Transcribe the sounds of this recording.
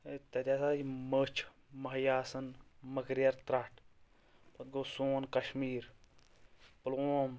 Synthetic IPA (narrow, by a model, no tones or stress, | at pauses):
et̪ɐt̪ʲaːsaːimət͡ʃʰ | mɐɦjaːsɐnmɐkɾjɐɾt̪ɾaʈʰ | pɐt̪̚ɡoːsoːnkɐʃmiːɾ | ploːm